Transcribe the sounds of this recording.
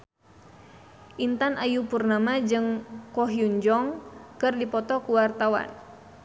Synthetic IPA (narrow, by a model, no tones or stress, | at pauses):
ʔint̪anʔajupurnamad͡ʒɨŋkɔɦjuɲd͡ʒɔŋkɨrdipɔt̪ɔkuwart̪awa̰n